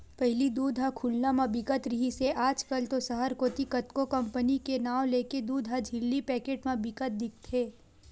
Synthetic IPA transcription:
pɛɦlid̪uːd̪ʱɦakʰʊlnamãbɪkət̪ɾɪɦiseʔaːd͡ʒkəlt̪osɐɦəɾkoːt̪ikɐt̪kokɐ̃mpənikenaːʋleːked̪uːd̪ʱɦad͡ʒʱɪlːipɛːkeːʈmãbɪkət̪̚d̪ɪk̚ʰt̪ʰeː

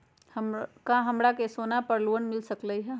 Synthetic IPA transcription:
hmkãɦɐmɾakesoːnapəɾluːənmɪlsəkləiɦɛ

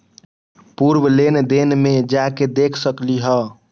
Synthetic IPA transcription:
puɾbəlend̪enmed͡ʒaked̪ekʰsəkliɦə

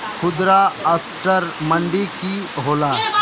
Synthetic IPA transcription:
kʰʊd̪ɾaəsʈəɾmə̃ɳɖiki | ɦoːlaː

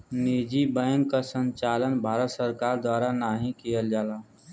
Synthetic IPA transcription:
nid͡ʒibə̃ːŋkːasə̃ɲt͡ʃaːlənbʱaːɾət̪səɾkaːɾd̪waːɾanaːɦĩkijəld͡ʒaːlaː

